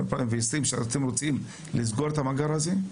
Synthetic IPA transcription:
lpaimveisimʃea̰nat̪emʁot͡sim | lizɡoɾet̪amaɡaɾhaze

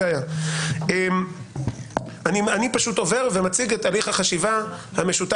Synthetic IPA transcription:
aja | em | anianipaʃuto̞ve̞ʁve̞mat͡siɡet̪aliχhaχaʃivahame̞ʃuta

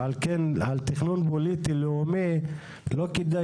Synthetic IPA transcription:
alkenalt̪iχnunpolit̪ileome | lokid̪a

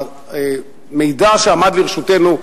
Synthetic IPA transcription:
me̞jdaʃeamad̪liʁeʃut̪enu

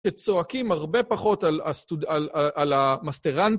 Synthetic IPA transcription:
et͡soakimhaʁbe̞paχo̞talastudalaalamast̪eʁan

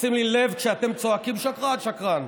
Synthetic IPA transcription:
simlile̞vkʃeat̪e̞mt͡soakimʃakʁadʃakʁan

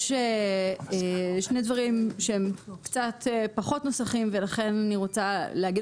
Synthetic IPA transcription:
eeʃne̞dvaʁimʃeemkt͡sat̪paχo̞t̪no̞saχimvelaχe̞naniʁo̞t͡saleaɡi

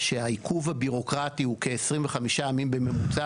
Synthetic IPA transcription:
ʃeaikʰuvhabiʁo̞kʁat̪ihuke̞esʁimveχamiʃaːmimbe̞me̞mut͡sa

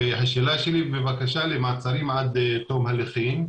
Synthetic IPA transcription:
eɦaʃeːlaʃelimevakaʃalemaːt͡saɾimʕad̪t̪omhaleχin

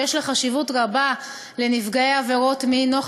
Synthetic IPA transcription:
eʃlaχaʃivutʁaba | le̞nifɡaeaveʁo̞tmino

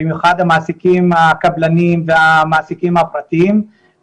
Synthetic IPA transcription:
imjuχad̪hamaːsikimhakablanimveamaːsikimhapʁat̪iim

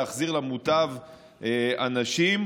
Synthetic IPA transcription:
aχziʁlamutav | anaʃim

